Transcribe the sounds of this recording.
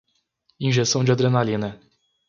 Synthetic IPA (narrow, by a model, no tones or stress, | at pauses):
ĩʒesɐ̃w̃d͡ʒɪad̪ɾenalĩnɐ